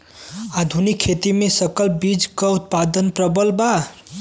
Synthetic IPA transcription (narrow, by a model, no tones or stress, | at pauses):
ad̪ʱunikʰːet̪imesəkəlbid͡ʒkəut̪̚pad̪ənpɾəbəlba